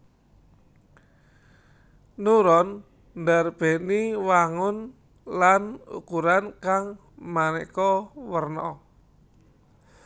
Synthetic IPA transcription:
nuɾɔn | ndarb̥ɛ̤niwaŋʊn | lanṵkuɾankaŋ | manɛkɔwərnɔ

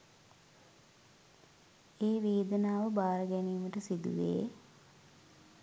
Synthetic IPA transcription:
eːʋeːd̪ənaːʋəbaːɾəɡæniːməʈəsid̪ṵʋḛː

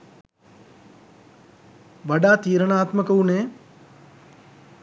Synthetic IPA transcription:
ʋaɖaːt̪iːɾənaːt̪məkəuneː

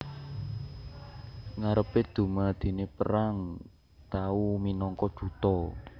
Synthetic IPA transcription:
ŋaɾəped̪̥ṳmad̪̥i̤nepəɾaŋ | t̪auminɔŋkɔd̥ʒ̥ṳt̪ɔ

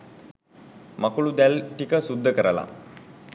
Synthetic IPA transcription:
makuɭud̪jalʈikəsud̪ʱːəkəɾala̰

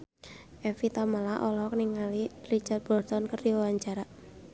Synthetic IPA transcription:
ʔɛfit̪amalaʔɔlɔkniŋalirit͡ʃard̪̚b̥ɔrt̪ɔnkərd̪iwawaɲt͡ʃaɾa

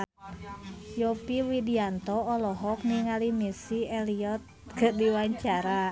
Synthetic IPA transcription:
jɔpiwidiant̪ɔɔlɔɦɔk̚niŋalimisiɛliɔt̪̚kədiwaɲt͡ʃaɾa

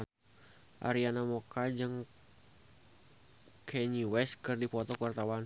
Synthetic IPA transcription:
ʔa̰ɾianamokad͡ʒɨŋ | kʰɛɲiwɛskɨrdipɔt̪ɔkuwart̪awan

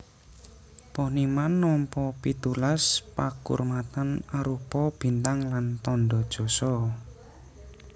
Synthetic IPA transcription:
pɔhnimanːɔmpɔpit̪ulaspakṵrmat̪anaɾupɔb̥i̤nt̪aŋlant̪ɔnɖɔd̥ʒ̥ɔ̤sɔ

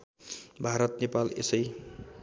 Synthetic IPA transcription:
bʱaɾʌt̪nepalḛsʌj

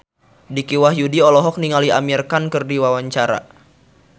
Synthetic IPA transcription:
dikiwahjudiɔlɔɦɔk̚niŋaliamirkankɨrdiwawaɲt͡ʃaɾa̰

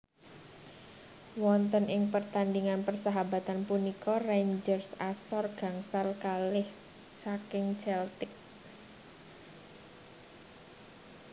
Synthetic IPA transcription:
wɔnt̪ənɪŋpərt̪andiŋanpərsaɦaba̤t̪anpunikɔrend͡ʒərsasɔrɡ̥a̤ŋsalkalɪh | sakɪŋt͡ʃɛlt̪ɪk̚

